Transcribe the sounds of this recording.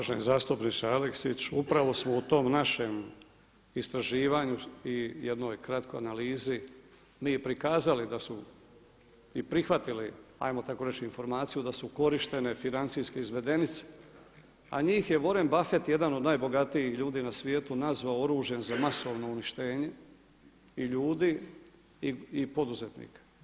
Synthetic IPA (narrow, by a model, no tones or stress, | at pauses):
aʒenizaːst̪upnit͡ʃsaaleksit͡ɕupɾaʋo̞smo̞ut̪o̞mnaʃe̞m | ist̪ɾaʒiːʋaɲuijed̪no̞jkɾat̪ko̞janaliːzi | miːpɾikaːzalid̪asmu | ipɾixʋat̪ilia̰jmo̞t̪ako̞ɾe̞t͡ʃiinfo̞ɾmaːt̪sijud̪asuko̞ɾiʃt̪e̞ne̞finant̪sijske̞izʋe̞d̪e̞nit̪se̥ | a̰ɲiːxje̞ʋo̞ɾembafe̞t̪je̞d̪ano̞d̪naːjbo̞ɡat̪ijixʎuːd̪iːnasʋje̞ːt̪unazʋaooɾuːʒjenzamaso̞ʋno̞uniʃt̪e̞ːɲe̞ | iʎuːd̪i | iːpo̞d̪uze̞t̪nḭːkḁ